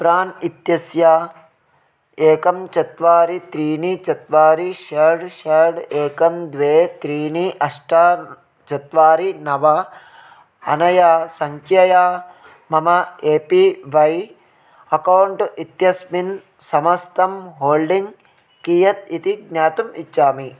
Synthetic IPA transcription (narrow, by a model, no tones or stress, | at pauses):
pɾaːnit̪jɐsja | eːkɐmt͡ʃɐt̪ʋaːɾit̪ɾiːnit͡ʃɐt̪ʋaːɾiʃɐɾɽʃɐɾɖeːkɐmd̪ʋeːt̪ɾiːniʔɐʂʈaː | t͡ʃɐt̪ʋaːɾinɐʋɐ | ɐ̰nɐjaːsɐŋkʰjɐjaː | mɐmɐeːpiʋɐj | ɐkɐwɳʈit̪jɐsmin | sɐmɐst̪ɐmɦoːlɖiŋɡ | kijɐt̪it̪iɡnaːt̪umit͡ʃt͡ʃaːmi